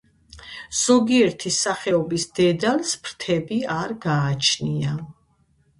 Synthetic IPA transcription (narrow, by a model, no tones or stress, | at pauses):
z̥ɔɡiɛɾt̪ʰisaχɛɔbisd̪̥ɛd̪alspʰɾt̪ʰɛbiaɾɡaːt͡ʃʰnia